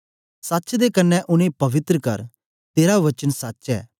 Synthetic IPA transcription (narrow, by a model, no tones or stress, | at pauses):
sɐtːt͡ʃd̪ekɐnːɛʔʊnẽpɐʋɪt̪ɾəkɐ̰ɾ | t̪eːɾaʋɐt͡ʃənsɐtːʃɛ̰ː